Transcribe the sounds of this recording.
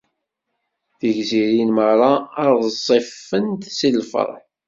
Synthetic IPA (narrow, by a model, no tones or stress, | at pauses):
θəʝziɾinməɾˤɑɾðsˤːifːənt̪silfə̰ɾˤħ